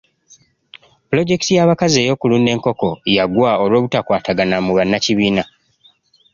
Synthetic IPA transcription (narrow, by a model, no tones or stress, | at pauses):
pulo̞ɟe̞ktijaːβakaze̞ːjo̞ːkulune̞ːŋko̞ko̞jaɡwao̞lwo̞ːβutakwaːtaɡanamuβanːaciβiːna